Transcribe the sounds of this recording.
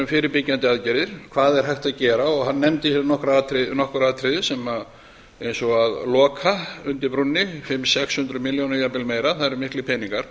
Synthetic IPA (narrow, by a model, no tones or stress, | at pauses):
ʏmfɪːɾɪɾpɪcːant̪ɪaðcɛɾðɪɾ̥kʰv̥aːðɛɾ̥ɦhajht̪aðcɛːɾaɔɣɦanːɛmt̪ɪhɛɾnɔhkɾaat̪ʰɾɪnɔhkʏɾaːðt̪ʰɾɪðɪsɛma | ejnsɔaðlɔːkʰaʏnt̪ɪɾpɾunːɪfɪmːsɛkshʏnt̪ɾʏmɪljownajapɪlmeːjɾaθaðɾmɪhklɪpʰɛniŋkaɾ̥